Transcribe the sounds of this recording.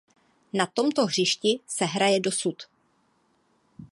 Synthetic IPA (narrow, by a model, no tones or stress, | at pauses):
nat̪o̞mt̪o̞ɦr̝ɪʃcɪsɛɦɾajɛdo̞sut̪